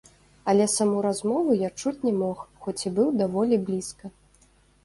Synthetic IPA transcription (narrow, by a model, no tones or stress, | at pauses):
ɐlʲɛsamuɾazmɔvujat͡ʂut͡sʲnʲɛmɔxxɔt͡sʲibɨwd̪avɔlʲiblʲiskɐ